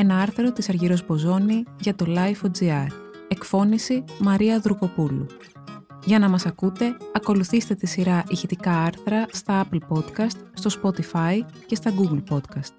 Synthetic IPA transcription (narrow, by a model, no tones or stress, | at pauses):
e̞nɐɐɾθɾo̞t̪isɐɾʝiɾo̞zbo̞zo̞niʝɐt̪o̞lɐjfo̞d͡ziɐɾ | e̞kfo̞nisimɐɾiɐðɾuko̞pulṵ | ʝɐnɐmɐsɐkut̪e̞ɐko̞luθist̪e̞t̪isiɾɐʔiçit̪ikɐɐɾθɾɐst̪ɐɐplpo̞t̪kɐst̪st̪o̞spo̞t̪ifɐice̞st̪ɐɡuɡl̩po̞t̪kɐst̪̚